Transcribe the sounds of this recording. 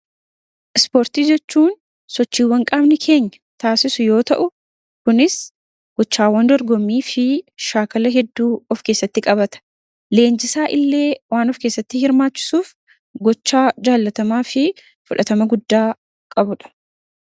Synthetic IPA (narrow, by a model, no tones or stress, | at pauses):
ʔɪspo̞ːɾt̪iːd͡ʒɛt͡ʃːuːn | sɔt͡ʃːiːwːɐŋkʼaːbnɪkʰe̞ːɲːɐt̪aːsɪsʊjo̞ːt̪ɐ̰ʔʊ | kʊnɪs | ɡ̥ɔt͡ʃːaːwɐnd̪ɔɾɡɔmːiːfɪʃaːkɐlɐɦɛd̪ːuːɔfke̞ːsːɐt̪ːɪkʼɐbɐt̪ɐ̥ | le̞ːnd͡ʒɪsaːʔɪlːe̞ːwaːnɔfke̞ːsːɐt̪ːɪhɪɾmaːt͡ʃːɪ̥suːf | ɡɔt͡ʃːaːd͡ʒaːlːɐt̪ɐmaːfɪ | fʊᶑɐt̪ɐmɐɡʊd̪ːaː | kʼɐbʊᶑɐ̥